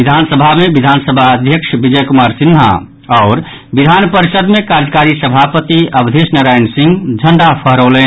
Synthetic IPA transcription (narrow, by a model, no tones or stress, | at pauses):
id̪ʱansəbʱamebid̪ʱansəbʱaəd̪ʱjəkʂbid͡ʒəjkumaɾsinːɦa̰ | ɔɾ | bid̪ʱanpəɾisəd̪mekaɾd͡ʒəkaɾisəbʱapət̪iəbd̪ʱesnəɾajnsĩŋɡd͡ʒʱəɳɖapʰəɦɾolɛn